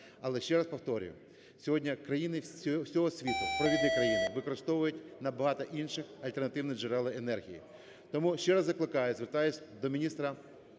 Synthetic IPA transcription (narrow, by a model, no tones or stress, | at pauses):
ɐlˠɛʃt͡ʃɛɾɐspɔwt̪ɔɾʲʊ̰jʊ̰ | sʲɔɦɔdʲnʲɐkɾɐjinɪsʲɔɦɔsʲʋʲit̪ʊpɾɔʋʲid̪nijkɾɐjinɪʋɪkɔɾɪst̪ɔʋʊjʊtʲnɐbɐɦɑt̪ɐʔinʃɪxɐlʲt̪ernɐt̪ɪwnɪd͡ʒɛɾɛlˠɪenɛrɦʲijḭ | t̪ɔmuʃt͡ʃɛɾɐzɐklˠɪkɑjʊzʋert̪ɑjʊsʲd̪ɔmʲinʲist̪ɾɐ